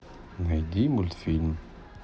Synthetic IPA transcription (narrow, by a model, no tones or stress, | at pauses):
næd̪imult̪film